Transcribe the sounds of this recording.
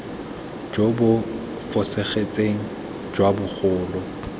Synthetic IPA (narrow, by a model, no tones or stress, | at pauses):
d͡ʒobʊ | fʊseχet͡sʼeŋ̩ | d͡ʒwabʊk͡xʰʊːlʊ